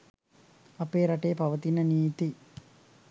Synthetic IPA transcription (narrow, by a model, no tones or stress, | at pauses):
ɐpeːɾɐʈejpɐʋət̪inəniːt̪i